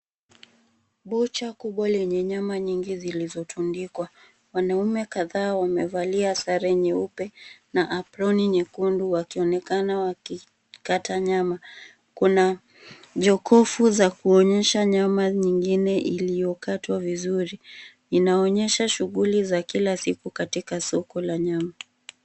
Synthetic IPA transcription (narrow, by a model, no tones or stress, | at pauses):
ɓut͡ʃakuɓwalɛɲɛɲamaɲiŋɡizilizɔtʰundikwa | wanaumɛkaðaːwamɛvaliasaɾɛɲɛupɛnaʔːpɾɔniɲɛkunduwakiɔnɛkanawaki | katʰaɲama | kuna | ʄɔkɔfuzakuɔɲɛʃaɲamaɲiŋɡinɛʔilijɔkatwavizuɾi | inaɔɲɛʃaʃuɣulizakilasikukatikasɔkɔlaɲama